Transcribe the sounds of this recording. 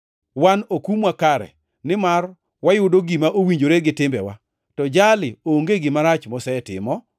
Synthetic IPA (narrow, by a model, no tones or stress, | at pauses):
wanokumwakaɾɛ̰ | nɪmar | wajʊdoɡimaʔowiɲd͡ʒoɾeɡɪtɪmbɛ̰wa̰ | tɔd͡ʒalɪoŋɡeɡɪmaɾat͡ʃmɔsɛtɪ̰mɔ